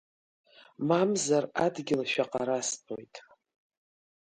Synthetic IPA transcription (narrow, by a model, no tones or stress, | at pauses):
mamzaradɡʲɪlʃᶣaqʼaɾaspʰʼo̰jtʼ